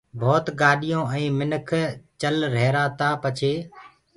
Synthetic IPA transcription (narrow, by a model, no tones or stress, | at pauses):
bʱoːt̪ɠaːɗɪjõːɛ̃ːmɪnəkʰt͡ʃəlɾeːɾaːt̪aːpət͡ʃʰeː